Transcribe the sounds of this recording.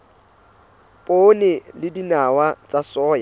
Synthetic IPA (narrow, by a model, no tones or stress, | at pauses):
pʼonɪlɪdinawat͡sʼasɔːja